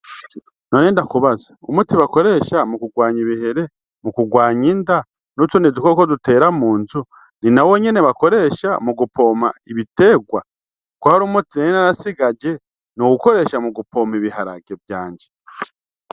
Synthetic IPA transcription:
noːneːndakuβazaumutiβako̞ɾe̞ːʃamukuɡwaːɲiβihe̞ɾe̞ | mukuɡwaːɲinda | nutunidukokodute̞ːɾamuːnzu | ninawo̞ɲe̞ne̞βako̞ɾe̞ʃamuɡupo̞ːmaiβite̞ːɡwa̰ | kwahaɾumutinenenaɾasiɡad͡ʒe̞ | nuɡuko̞ɾe̞ːʃamuɡupʰo̞ːmiβiɦaɾa̰ɡe̞vjaːɲd͡ʒe

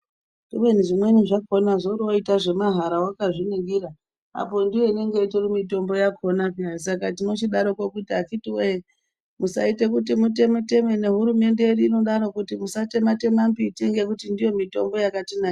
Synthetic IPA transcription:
dimweniʐimwe̞niʐako̞naʐoroitaʐe̞maɦaɾawakaʐiniɡiɾa | a̰po̞ndijo̞ine̞ŋɡeitirimito̞mbo̞jakʰonapiasakatino̞t͡ʃiɗaɾo̞kokutiakitiwe | musa̰ite̞kut̬imute̞mute̞me̞ne̞ɦuɾume̞nde̞eriːno̞ɗaɾo̞kutimusate̞mate̞mambiteŋɡekutindijo̞mito̞mbo̞jakatinaːj

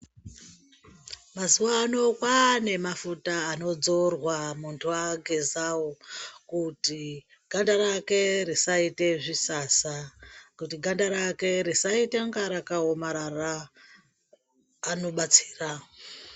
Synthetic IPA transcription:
mazuwaːno̞kwane̞mafutaːno̞d͡zo̞rwamuntʰuwaɡʱezawokuti | ɡ̥ʱandaɾake̞risaite̞ʐisasakutiɡʱandaɾake̞ɾisaiteŋɡaɾakaomaɾara | no̞ɓat͡si̥ːra

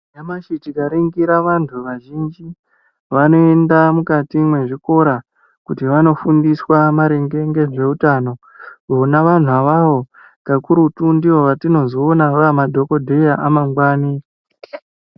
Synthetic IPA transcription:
jamaʃitikaɾiŋɡiɾaʋantʰuʋaʒind͡ʒi | ʋano̞e̞ndamukatimwe̞ʐiko̞ɾa | kutiʋano̞fundiswamaɾeŋɡe̞ŋɡe̞ʐe̞utaːno̞ | konaʋan̤uaʋaʋo̞ | ɡakuɾutundiʋoʋatino̞zoːnaʋamadʱo̞ko̞dʱe̞jaʔamaŋɡwaːni

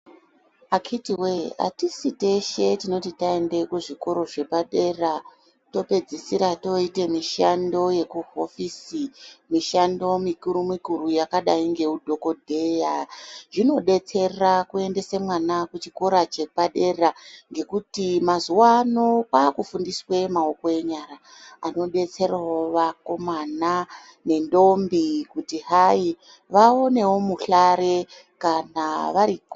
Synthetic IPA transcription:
akʰitiwea̰tisite̞ʃe̞tino̞titae̞nde̞kuʐiko̞ɾo̞ʐe̞paɗe̞ra | to̞pe̞d͡zisiɾato̞ite̞miʃando̞je̞kuɦo̞fisimiʃando̞mikuɾumikuɾujakaɗaiŋɡe̞udʱo̞ko̞dʱe̞jaʐino̞ɗe̞t͡se̞rakue̞nde̞semwanakut͡ʃiko̞ɾat͡ʃe̞paɗe̞raŋɡe̞kutimazuwaːno̞paːkufundiswe̞maokoeɲaɾa | ano̞ɗe̞t͡se̞raoʋako̞mana | ne̞ndo̞mbikutiɦai | ʋao̞ne̞wo̞muɬaɾe̞ | kanaʋaɾi

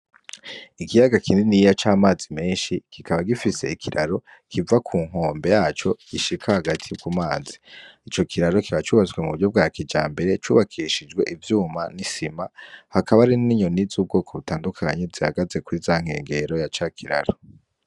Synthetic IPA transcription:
ikijaɡakʰiːndinijat͡ʃaːmaːzimeːnʃikikaβaɡifise̞ikʰiɾʔaɾo̞ | kivakʰuːŋ̥ɦo̞ːmbe̞jaːt͡ʃo̞ɡ̥iʃikʰahaɡatʰijukumaːzi̥it͡ʃo̞kʰiɾaɾo̞kiβat͡ʃuːβazɡwe̞muuɾɟo̞b̚ɡaːkid͡ʒaːmbe̞ɾe̞t͡ʃuːβakʰiʃid͡ʒɡwe̞ʔivjuːmanisimahakaβaɾiniɲo̞nizub̚ɡo̞ːkʰo̞βutaːndukʰa̰ɲe̞ziha̰ɡaze̞kuizaːŋ̥e̞̰ːŋɡe̞ɾo̞jat͡ʃakʰiɾa̰ɾo̞

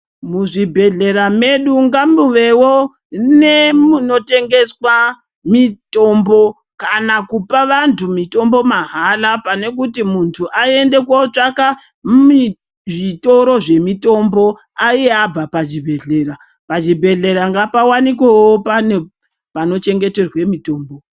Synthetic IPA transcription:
muʐibʱe̞ɮe̞ɾameɗuŋɡamuʋe̞wo̞ | ne̞muno̞te̞ŋɡe̞swa | mito̞mbo̞ | kanakupaʋantʰumito̞mbo̞maɦalapane̞k̬utimuntʰuʔae̞nde̞kwot͡ʂaka | i | ʐito̞ɾo̞ʐe̞mito̞mbo̞ | aieab͡vapaʒibʱe̞ɮeːɾa | paʒibʱe̞ɮe̞ɾaŋɡapawanikwewopane | pano̞t͡ʃe̞ŋɡe̞te̞rwe̞mito̞ːmbo

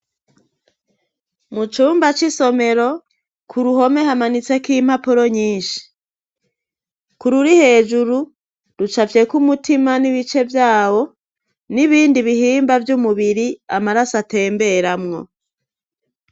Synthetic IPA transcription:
mut͡ʃuːmbat͡ʃiso̞me̞ɾo̞ | kʰuɾuho̞me̞hamanit͡se̞kim̥apuɾo̞ɲiːnʃi̥ | kuɾuɾihe̞ːd͡ʒuɾu | ɾut͡ʃafje̞kumutimaniβit͡ʃe̞vjaːwo̞ | niβiːndiβihiːmbavjumuβiɾiamaɾasate̞ːmbe̞ɾamŋo̞̰

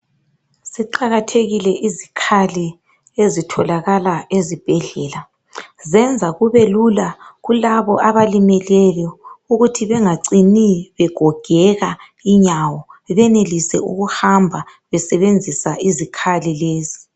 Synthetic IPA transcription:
siǃaɣatʰeɣilɛʔizikʰali | ezitʰɔlaɣalaezib̥ʱɛɮɛla | zɛnd͡zʱaɣuβelulaɣulaβɔʔaβalimɛlɛljɔuɣutʰiβɛŋaǀiniβɛɡ̥ʱɔɡ̥ʱɛɣa | iɲawɔβɛnelisɛ̰uɣuhambʱa | βɛsɛβend͡zʱisaʔizikʰalileːzi

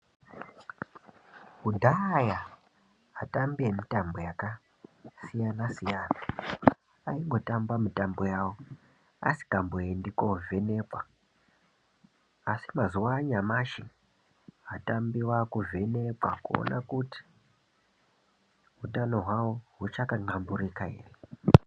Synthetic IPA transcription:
ɦudʱaja | ɦatambiemitambojaka | sijanasijaːna | aiŋɡo̞tambamitambojawo | a̰si̥kambojendiko̞ve̞ne̞kwa | asimazuwaɲamaʃi | atambiwakuve̞ne̞kwakuo̰na̰kuti̥ | ɦutano̞ɦwawoɦut͡ʃakaŋ͡ǃamburikaḛːre

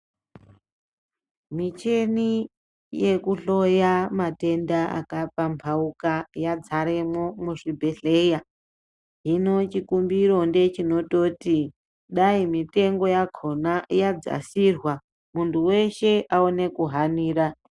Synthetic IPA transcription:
mit͡ʃe̞ni | je̞kuɬo̞jamate̞ndaa̰kapampʰaukajad͡zaɾe̞mo̞muʂibʱe̞ɬe̞ja | ɦino̞t͡ʃikumbiɾo̞nde̞t͡ʃino̞to̞ti | ɗaimite̞ŋɡo̞jakʰonajad͡za̰sirwa | muntʰuwe̞ʃe̞ʔaone̞kuɦaniːɾa

